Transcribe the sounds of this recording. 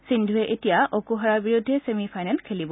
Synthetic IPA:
sindʱuɛʔetijaʔokuɦaɹabiɹudʱːɛsemipʰajnɛlkʰelibɔ

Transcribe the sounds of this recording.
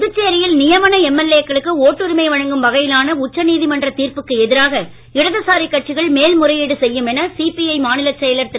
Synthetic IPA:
ʊðɯt͡ʃːeːɾɪjɪlnɪjɐʋɐnɐɛmːɛleːkːɐɭɯkːɯoːʈːɯɾɪmɐɪʋɐɻɐŋɡɯmʋɐɣɐjɪlaːnɐʊt͡ʃːɐniːðimɐndrɐt̪iːɾpɯkːɯɛðɪɾaːɣɐ | ɪɽɐðɐsaːɾikːɐʈ̚t͡ʃːɪɣɐɭmeːlmʊrɐjeːɽɯsɛjːɯmɛnɐsipiɐɪmaːnɪlɐt͡ʃːɛjɐlɐɾt̪ɪ

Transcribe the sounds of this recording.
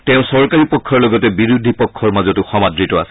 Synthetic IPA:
tɛʊ̃sɔɹkaɹipɔkʰːɔɹlɔɡɔtɛbiɹud̪ʱipɔkʰːɔɹmazɔtʊxɔmadɹitɔasɛ̥

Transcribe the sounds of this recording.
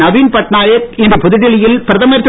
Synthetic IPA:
ɐʋiːnpɐʈnaːjɐkɛndrɯpʊðɪɽɪɭɪjɪlpɪɾɐðɐmɐɾt̪ːɯ

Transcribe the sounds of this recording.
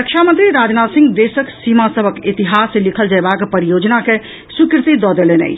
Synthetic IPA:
ɾəkʃʰamənt̪ɾiɾaːd͡ʒnasɪ̃ŋɡd̪esəksimasəbʱəkit̪iɦasːelikʰəld͡ʒabakpəɾijod͡ʒnake | sukɾɪt̪id̪ɔd̪elenɛ̰j

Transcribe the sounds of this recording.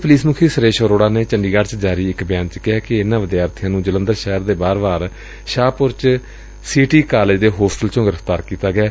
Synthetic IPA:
pəliːsmʊkʰiːsəɾeːʃoːɾoːɽaːneːt͡ʃəɳɖiːɡaːɖt͡ʃd͡ʒaːɾiːɪkbjaːnt͡ʃəkɪɛːkɪɪnãːʋɪd̪jaːɾt̪ʰɪjãːnũːd͡ʒələ̃nd̪əɾʃɛːɦɾd̪eːbaːɾbaːɾ | ʃaːpʊɾt͡ʃ | siːʈiːkaːlɪd͡ʒd̪eːɦoːsʈəlt͡ʃõːɡɪɾəft̪aːɾkiːt̪aːɡɪɛː

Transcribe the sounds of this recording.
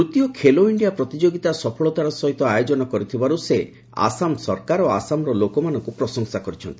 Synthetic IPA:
ɾut̪ijɔkʰeloiɳɖijapɾɔt̪id͡ʒoɡit̪asɔpʰɔɭɔt̪aɾɔsɔɦit̪ɔajod͡ʒɔnɔkɔɾit̪ʰibaɾuse | a̰samsɔɾkaɾoa̰samɾɔlokɔmanɔŋkupɾɔsɔŋsakɔɾit͡ʃʰɔnt̪ii̥

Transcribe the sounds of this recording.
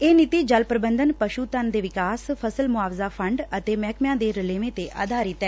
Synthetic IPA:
eːnɪt̪iːd͡ʒəlpɾəbənd̪ənpəʃuːt̪ənd̪eːʋɪkaːspʰəsəlmʊaːʋzaːpʰəɳɖət̪eːmɛːkmjãːd̪eːɾəleːmẽːt̪eːʔa̰ːd̪ʱaːɾɪt̪ɛː

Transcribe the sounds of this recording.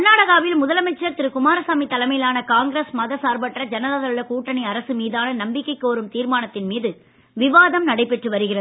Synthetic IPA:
nːaːɽɐɣaːʋɪlmʊðɐlɐmɐt͡ʃːɐɾt̪ɪɾɯkʊmaːɾɐsaːmit̪ːɐlɐmɐjɪlaːnɐkaːŋɡɾeːsmɐðɐsaːɾbɐʈːrɐd͡ʒɐnɐðaːðɐɾɯɭɐkuːʈːɐɳɪɐɾɐsɯmiːðaːnɐnɐmbɪkːɐɪkːoːɾɯmt̪iːɾmaːnɐt̪ːɪnmiːðɯ | ʋɪʋaːðɐmnɐɽɐɪpːɛʈrɯʋɐɾɯɣɪrɐðɯ

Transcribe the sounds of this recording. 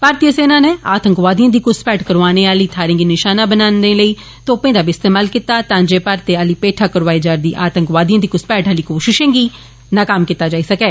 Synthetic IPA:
paːɾt̪iəseːnãːneːa̰ːt̪əŋkʋaːd̪ijãːd̪iːkʊspɛːʈkəɾʋaːneːaːliːt̪ʰaːɾẽːɡiːnɪʃaːnãːbənaːnd̪eːləiː | t̪õːpẽːd̪aːbiːɪst̪eːmaːlkɪt̪ːaːt̪ãːd͡ʒeːpaːɾt̪eːaːliːpeːʈʰaːkəɾʋaːiːd͡ʒaːɾd̪iːʔaːt̪əŋkʋaːd̪ijãːd̪iːkʊspɛːʈaːliːkoːʃɪʃẽːɡiː | naːkaːmkɪt̪ːaːd͡ʒaːiːsəkɛː

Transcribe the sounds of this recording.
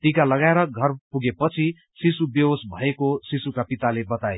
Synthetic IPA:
t̪ikalʌɡaeɾʌɡʱʌrpuɡepʌt͡sʰi | sisubjʌsbʱʌekosisukapit̪alebʌt̪aje

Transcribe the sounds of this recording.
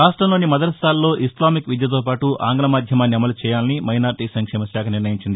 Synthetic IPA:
ɾaːsʈɾɐmloːnimɐd̪ɐɾst̪ʰaːlːo̞ːʔislaːmikʋid̪jɐt̪̬oːpaːʈua̰ːŋɡlɐmaːd̪ʱjɐmaːnːiɐmɐlut͡ʃɛːjaːlinimɐjnaːɾʈiːsɐŋkʂɛːmɐʃaːkʰɐniɾnɐjiɲt͡ʃind̪i

